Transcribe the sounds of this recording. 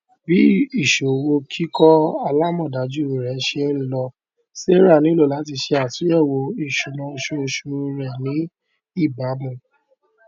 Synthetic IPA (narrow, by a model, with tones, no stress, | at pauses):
bi˨˦i˦˨ʃo˨wo˧kʰi˦kɔ˦a˧la˦mɔ̃˦˨da˨˦d͡ʒu˦˨ɾɛ˨˦ʃe˧˦ɾĩ˨lɔ˧ | se˦ɾa˦˨nĩ˨˦lo˦˨la˨˦ti˧ʃe˧a˨su˨˦ɛ˦˨wo˧i˦˨ʃu˨nũ˧o˧ʃo˧ʃu˧ɾɛ˨nĩ˨˦ | i˦˨ba˨˦bũ˦˨